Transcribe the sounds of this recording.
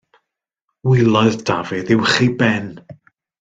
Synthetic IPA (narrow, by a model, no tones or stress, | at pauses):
wilˠɔðd̥avɪðɪwχibɛn